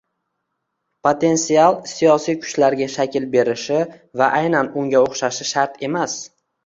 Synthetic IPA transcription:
pʰot̪ʰe̞nsialˠsijɒsijkʰʊ̥t͡ʃlaɾɡʲaʃakʲʰɪlbe̞ɾɪʃɪvaʔajnanʊŋɡʲaoχʃaʃɪʃaɾt̪ʰe̞mas

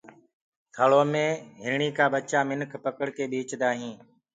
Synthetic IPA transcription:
t̪ʰəɭoːmẽːɦɪɾɳiːkaːɓət͡ʃaːmɪnkʰpəkəɽkeːɓiːt͡ʃd̪aːɦĩː

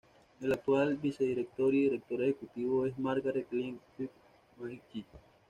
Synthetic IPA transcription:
elak̚t̪walbiseðiɾek̚t̪oɾiðiɾek̚t̪oɾehekut̪iβoesmaɾɡaɾet̪liŋ | yk | mait͡ʃi

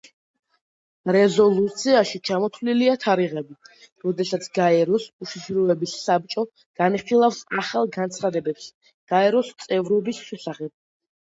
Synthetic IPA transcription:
ɾɛzɔlˠut̪sʰiaʃit͡ʃʰamɔt̪ʰvliliat̪ʰaɾiʁɛbi | ɾɔd̪ɛsat̪sʰɡaɛɾɔsuʃiʃɾɔɛbisːab̚t͡ʃʼɔ | ɡ̥aniχilˠafsaχalˠɡant̪sʰχad̪ɛbɛps | ɡ̥aɛɾɔst̪sʼɛvɾɔbisʃɛsaχɛb̥̚

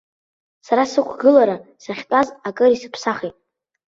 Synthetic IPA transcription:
saɾasɨkʷʰɡɨlaɾasaχʲtʼazakʼɨɾisɨpʰsaχitʼ

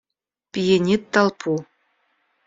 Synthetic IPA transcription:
pʲijenʲit̪ːalˠpʰu

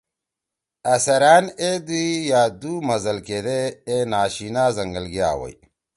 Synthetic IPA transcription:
ɐsɐɾaːned̪ijaːd̪umɐzɐlked̪eːnaːɕinaːzɐŋɡɐlɡija̰ːwɐ̰j

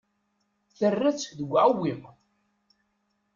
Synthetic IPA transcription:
θərːæt͡sːðəɡʷːʕawim

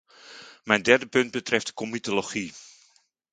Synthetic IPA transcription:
mɛjndɛrdəpɵnd̚bətrɛftdə̥komitoloχi

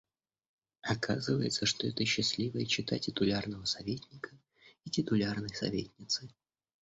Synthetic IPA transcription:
ɐkazɨvəjɪ̰t̪səʂt̪oɛt̪əɕːɪsʲlʲivəjət͡ɕːɪt̪atʲɪt̪ʊlʲarnəvəsɐvʲetʲnʲɪkə | itʲɪt̪ʊlʲarnɨjsɐ̰vʲḛtʲnʲɪt̪sɨ

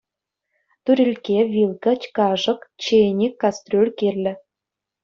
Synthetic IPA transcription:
t̪yɾʲilʲkʲevʲilkɑt͡ɕkɑʒɤ̆kt͡ɕenʲikːɑst̪rʲølʲkerʲlʲɘ̆

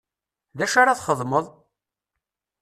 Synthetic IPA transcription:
ðæʃaɾɑθχəðˤməðˤ

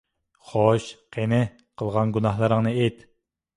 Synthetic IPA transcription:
χoʃqʰenɪ | qʰəlˠʁɑnɡunɑhlˠɨɾəŋnɨejt̪

